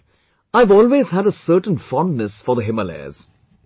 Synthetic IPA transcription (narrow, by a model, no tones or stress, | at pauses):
aɪvɔːlweːz̥ɦæɾəsɜːʈə̃n̩fɔ̃ndnəsfɔðəɦɪməlɛ̰z̥